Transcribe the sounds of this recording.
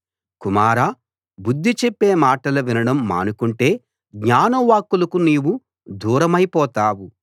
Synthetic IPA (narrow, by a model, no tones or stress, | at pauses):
kumaːɾaː | bud̪ʱːit͡ʃepːe̞ːmaːʈɐluʋinɐɽɐmːa̰ːnukuɳʈe̞ː | ɡɲaːnɐʋaːkːulɐkuniːwu | d̪uːɾɐmɐjpɔːt̪aːwu